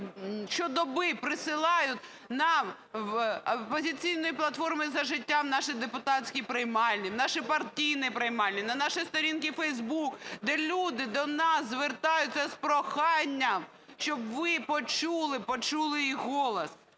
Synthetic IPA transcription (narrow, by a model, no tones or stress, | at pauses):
ʃt͡ʃɔd̪ɔbɪpɾɪsɪlˠɑjʊtʲ | nɐ | ɐpɔzʲɪt͡sʲijnɔjiplˠɐt̪fɔrmɪzɐʒɪtʲːamnɑʃɪd̪epʊt̪ɑtʲsʲkʲijpɾɐjmɑlʲnʲinɑʃɪpɐrtʲijnɪjpɾɐjmɑlʲnʲinɐnɑʃɪjst̪ɔɾʲinkɪfɛjzbukd̪ɛlʲud̪ɪd̪ɔnɑszʋert̪ɑjʊt̚ʲt͡s̪ʲɛspɾɔxɑnʲːɐm | ʃt͡ʃɔbʋɪpɔt͡ʃulˠɪpɔt͡ʃulˠɪiɦɔlˠɐs